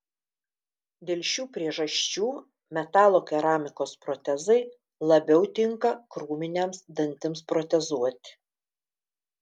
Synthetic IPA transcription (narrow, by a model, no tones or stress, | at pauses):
d̪ʲeːlʲʃʲuːpʲɾʲiɛʒɐʃʲt͡ʃʲuː | mʲɛt̪ɑːlˠoːkʲɛɾɑːmʲɪkoːspɾɔt̪ʲɛzɐɪ | lˠɐbʲɛʊt̪ʲɪŋkɐkɾuːmʲɪnʲemsd̪ɐnʲt̪ʲɪmspɾɔt̪ʲɛzuɔt̪ʲɪ̥